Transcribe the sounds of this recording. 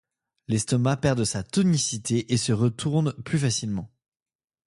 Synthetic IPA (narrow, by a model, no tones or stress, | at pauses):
lɛst̪ɔmapɛʁd̪əsat̪ɔnisit̪ʰeʔesəʁət̪ʰuʁnplyfasilmɑ̃